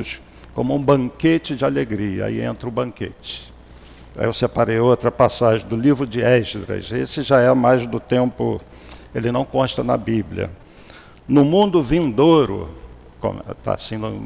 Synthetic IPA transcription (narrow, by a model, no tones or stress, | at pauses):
ʊs | kõmʊũbɐ̃ŋket͡ʃɪd͡ʒɪaleɡɾiɐ̰a̰iḛ̃nt̪ɾɐʊbɐ̃ŋkḛt͡ʃɪ̥ | a̰ewsepaɾejowt̪ɾɐpasaʒẽd̪ʊlivɾʊd͡ʒɪɛʃd̪ɾɐ̰sesɪʒaɛmajzd̪ʊt̪ẽmpʊ̰ | elɪnɐ̃w̃kõʃt̪ɐnɐ̰biblʲjɐ̰ | nʊmũnd̪ʊvĩnd̪oɾʊ̰ | kõ̰mt̪a̰sĩd̪ʊ̰